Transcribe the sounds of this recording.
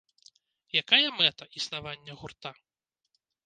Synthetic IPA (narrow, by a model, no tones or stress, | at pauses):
jakajɐmɛt̪ɐʔisnavanʲːɐɣurt̪a